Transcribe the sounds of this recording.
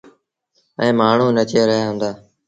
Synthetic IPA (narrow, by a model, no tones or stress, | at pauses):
ɛ̃ːmaːɳ̤ũːnət͡ʃeːɾəɦjaːɦʊ̃nd̪aː